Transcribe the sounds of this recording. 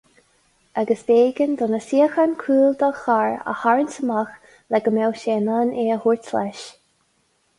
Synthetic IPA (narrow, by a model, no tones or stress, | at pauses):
aɡəsveːɡənd̪ɔnəsiəxankʰɾuːld̪ɔxaɹə̰haɹənsəmax | lɛɡəmɛwʃeːnaneːəhuɹtlɛ̰ʃ